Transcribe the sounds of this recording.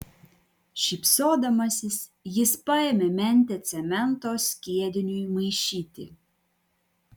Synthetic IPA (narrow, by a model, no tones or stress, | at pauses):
ʃʲipsoːd̪ɐmɐsʲɪsjɪspɐemʲemʲɛnʲt̪ʲɛt̪sʲɛmʲɛnt̪oːsʲkʲiɛd̪ʲɪnʲujmɐɪʃʲiːt̪ʲɪ̰